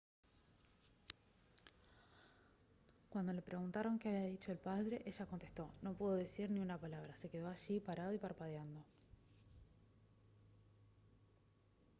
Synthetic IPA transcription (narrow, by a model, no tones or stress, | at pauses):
kwand̪olepɾʔe̞ɣunt̪aɾo̞ŋkeaβiaðit͡ʃo̞elpaðɾe̞ʔeʒako̞nt̪e̞st̪o̞no̞puðo̞ðesiɾniunapalaβ̞ɾase̞ke̞ðo̞aʃipaɾað̞o̞ipaɾpað̞jand̪o̞